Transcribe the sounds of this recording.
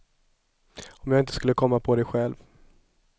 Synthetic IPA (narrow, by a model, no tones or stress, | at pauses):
ɔmjaɡɪnt̪ʰəskɵlːəkʰɔmːapʰɔd̪ɛjɧɛlv